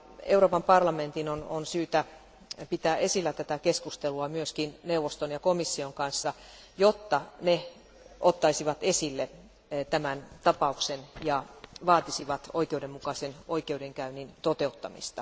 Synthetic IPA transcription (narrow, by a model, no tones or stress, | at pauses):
euroːpɑmpɑrlɑment̪inononsyːt̪æ | pit̪æːʔesilːæt̪æt̪ækeskust̪eluɑmyøskinneuʋost̪onjɑkomisːioŋkɑnsːɑ | jot̪ːɑne | ot̪ːɑisiʋɑt̪esilːe | t̪æmænt̪ɑpɑuksenjɑʋɑːt̪isiʋɑt̪oikeudemmukɑsenoikeudeŋkæynint̪ot̪eut̪ːɑ̰mḭst̪ɑ